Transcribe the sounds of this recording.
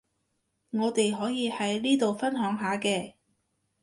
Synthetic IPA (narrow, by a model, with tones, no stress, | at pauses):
ŋɔː˨˧t̪e˨jɦɔː˨˥jiː˨˧hɐ˨˥jliː˥t̪o˨wfɐ˥nɦœː˨˥ŋɦaː˨˧˥kɛː˧